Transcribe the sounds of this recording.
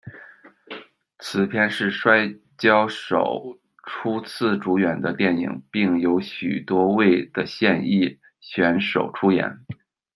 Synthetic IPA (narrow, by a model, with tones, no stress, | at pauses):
t͡sʰɹ̩˧˩pʰjɛ˥˧nʂɻ̩˥˩ʂwa˥ɪ | t͡ɕjɑ˥ʊʂo˨˩ʊ | ʈ͡ʂʰu˥t͡s̩ʰ˥˩ʈ͡ʂu˧˥ɥɛ˨˩nd̪ə˦t̪jɛ˥˩nḭ˨˩˦ŋpi˥˩ŋjo˧˥ʊɕy˨˩t̪wɔ˥we˥˩ɪd̪̥ə˩ɕjɛ˥˧ni˥˩ | ɕɥɛ˧˥nʂo̰˨˩ʊʈ͡ʂʰu˥jɛ̰˧˥n